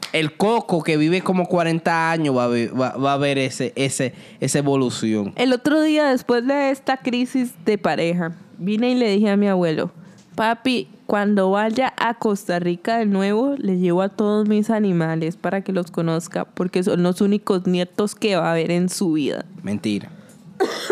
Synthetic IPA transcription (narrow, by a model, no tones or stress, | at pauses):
e̞lkoko̞ke̞βiβe̞ko̞mo̞kwaɾent̪aaɲozβaβeβaβaːβe̞ɾeseʔese | esaeβo̞lusjo̞̰ŋe̞lo̞t̪ɾo̞ðiaðe̞spwe̞zd̪e̞est̪akɾisizd̪e̞paɾʔe̞xabineile̞ðixeamiaβwe̞lo̰ | papi | kwand̪o̞βaʝaʔako̞st̪arikaðe̞nwe̞βo̞le̞ʝeβoat̪o̞ðo̞zmisanĩmale̞spaɾake̞lo̞sko̞no̞ska̰po̞ɾke̞s̬o̞nlo̞suniko̞znje̞t̪o̞ske̞βaːβe̞ɾe̞nsuβiða̰mḛ̃nt̪iɾa̰